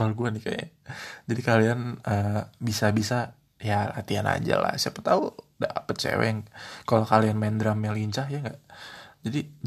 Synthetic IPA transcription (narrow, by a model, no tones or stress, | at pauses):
alɡuanihka̰ja̰d͡ʒadikalianəbisabisa | jala̰t̪iana̰d͡ʒa̰la̰hsiapət̪auda̰pət̪̚t͡ʃḛwɛ̰ŋkalokalianmaɪndɾamjaliɲt͡ʃaɦjaŋɡaʔd͡ʒadi